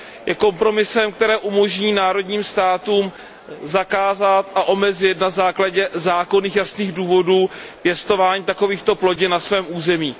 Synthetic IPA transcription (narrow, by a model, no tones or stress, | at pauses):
jɛko̞mpɾo̞mɪsɛmk̚t̪ɛɾɛːʔumo̞ʒɲiːnaːɾo̞dɲiːmst̪aːt̪uːm | zakaːzat̪ʔaʔo̞mɛzɪt̪nazaːklaɟɛzaːko̞niːxjasniːɣduːvo̞duːpjɛst̪o̞vaːɲiːt̪ako̞viːxt̪o̞plo̞ɟɪnasvɛːmʔuːzɛmiː